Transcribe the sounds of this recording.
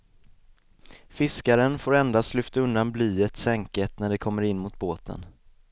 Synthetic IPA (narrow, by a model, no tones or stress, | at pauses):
fɪskaɾənfoːɾɛnd̪ast̪lʏft̪aɵnd̪anblyːət̪sɛŋkət̪næɖɛkʰɔmːəɾɪnːmʊt̪̚boːt̪ʰə̰n